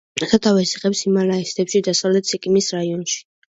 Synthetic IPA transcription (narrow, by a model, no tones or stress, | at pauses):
asat̪ʰavɛsiχʼɛpsimalaɛst̪ʰɛpʃid̪asavlɛt̪sikʼimisɾaiɔnʃi̥